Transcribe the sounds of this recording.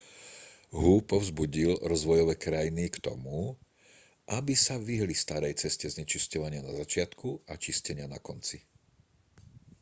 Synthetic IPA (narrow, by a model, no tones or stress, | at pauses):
ɦupɔʊzbuɟilɾɔzʋɔjɔʋɛːkɾajinikt̪ɔ̰mu | ʔabisaʋiɦlist̪aɾɛjt͡sɛscɛzɲɛt͡ʃiscɔʋaɲɪanazat͡ʃɪat̪kuat͡ʃiscɛɲɪanakɔnt͡si